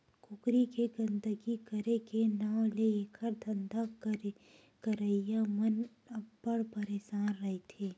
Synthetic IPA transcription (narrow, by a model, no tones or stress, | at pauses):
kʊkɾikeɡɐ̃nd̪əɡikəɾekenaːwleeːkʰəɾd̪ʱɐ̃nd̪a | kəɾəijamən | bpːəɽpəɾeːʃaːnɾɐɦet̪ʰeː